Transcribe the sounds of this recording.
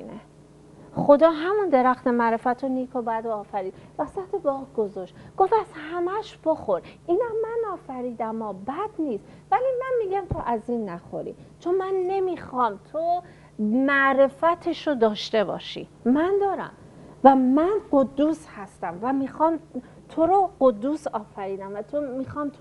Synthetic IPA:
ine | χo̞d̪ɒːɦæmund̪e̞ɾæxt̪emæɾe̞fæt̪ʰoniːkʰobæd̪oːfæɾiːd̪væsæt̪ʰebɒːɡ̥o̞zoʃɡ̥o̞fæzhæmæʃb̥oxo̞ɾiːnɒmænɒːfæɾiːd̪æmɒːbæd̪niːst̪ | væliːmænmiːɟæmt̪ʰoʔæziːnːæxo̰ɾḭːt͡ʃʰonmænːe̞miːxɒːmt̪ʰo | mæʔɾe̞fæt̪ʰeʃod̪ɒːʃt̪e̞bɒ̰ːʃḭmænd̪ɒːɾæ̰m | væmænɢo̞d̪ːuːshæst̪æmvæmiːxɒːm | t̪ʰo̞ɾoɢo̞d̪ːusɒːfæɾiːd̪æmvæt̪ʰomixɒmt̪ʰ

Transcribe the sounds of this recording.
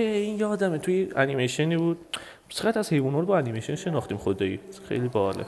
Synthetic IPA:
einjɛːd̪æmet̪ʰujeænimeʃeniːbuːd̪ | seʁæt̪æzhejvunhoːlbɒænimejʃonʃe̞nɒːχt̪iːmχod̪ɒːḭxḛjliːbɒːlḛ

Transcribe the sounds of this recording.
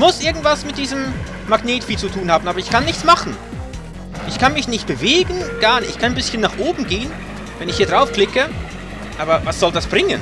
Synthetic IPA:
mʊsʔɪɐɡŋ̩tv̥asmɪt̚d̥iːzəm | maɡneːtfiːt͡sutʰuːnhaːbm̩ʔaːbɐɪçkʰanːɪçt͡smaχn̩ | ʔɪçkʰanmɪçnɪçt̚b̥əveːɡn̩ɡ̥aɐnɪçkʰananbɪsçənːaːχʔoːbm̩ɡeːən | vɛnɪçhiːɐ̥ʁaʊfkl̥ɪkə | ʔaːbɐvasz̥ɔldasb̥ʁɪŋən

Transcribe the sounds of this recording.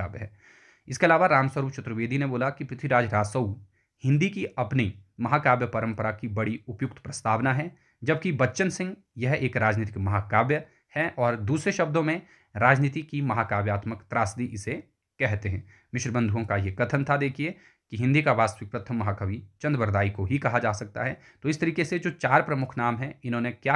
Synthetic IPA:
a̰ːbɦɛ̰ː | ɪskeɐlaːʋaɾaːmsəɾuːbt͡ʃʊt̪ɾəʋeːd̪ʱineboːlakipɾɪt̪ʰwiɾaːd͡ʒɾaːsəw | hɪ̃nd̪ikiɐpnimɐɦaːkaːbjəpɐɾə̃mpəɾakibɐɽiʊpjʊk̚t̪ʰpɾɐst̪ʰaːʋnaɦɛ | d͡ʒɐbkibɐtːʃənsɪ̃ŋɡ | jɐɦeːkɾaːd͡ʒniːt̪ɪkmɐɦaːkaːbjə | hɛʔɔːɾd̪uːsɾeʃɐbd̪õmẽ | ɾaːd͡ʒniːt̪ikimɐɦaːkaːbjaːt̪məkt̪ɾaːsd̪iʔɪse | kɛɦt̪eɦɛ̃ː | mɪʃɾəbə̃nd̪ʱuõkajekɐt̪ʰənt̪ʰad̪eːkʰie | kiɦɪ̃nd̪ikaʋaːst̪əʋɪk̚pɾət̪ʰəmːɐɦaːkəʋit͡ʃɐ̃nd̪əbəɾd̪aːikoɦikɐɦad͡ʒaːsɐk̚t̪a̰ɦɛ | t̪oɪst̪ɐɾiːkesed͡ʒoːt͡ʃaːɾpɾɐmʊkʰnaːmɦɛɪnɦõnekja

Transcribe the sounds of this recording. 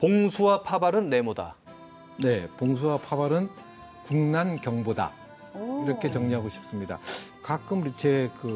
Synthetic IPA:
poŋsʰuwapʰabaɾɯnːe̞moda̰ | ne̞poŋs̬ʰuwapʰabaɾɯn | kuŋnankjʌŋboda̰ | iɾʌkʰe̞t͡ɕʌŋɲiɦaɡoɕʰi̥p̚s͈ɯmɲida̰ | kak͈ɯmɾit͡ɕʰekɯ

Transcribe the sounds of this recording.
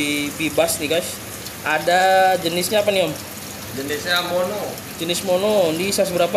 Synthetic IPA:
bibasniɡaʃ | adad͡ʒənɪsɲaapaniam | d͡ʒənɪsɲamono | d͡ʒənɪsmonondisas̬bəɾap̬

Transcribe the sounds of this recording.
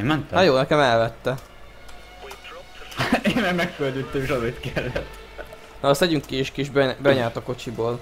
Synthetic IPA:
mɛnt̪ɛhɒjoːnɛkɛmɛlvɛt̪ːɛ | eːnːɛɡmɛkːøld̪yt̪ːɛmeʃɒzeːrt̪kɛlːɛt̪ː | nɒːst̪ɛɟyŋkːieːʃkiʒbɛbɛɲaːrt̪ɒko̞t͡ʃiboːl

